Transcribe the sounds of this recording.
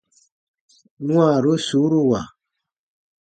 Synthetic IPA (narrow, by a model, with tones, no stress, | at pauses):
nw̃a˨ɾo˦su˨˦ɾu˦wa˨